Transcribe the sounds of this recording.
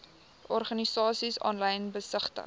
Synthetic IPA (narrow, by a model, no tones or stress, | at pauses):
ɔrχɐnisɑːsisɑ̰ːnləjənbəsəχtə̰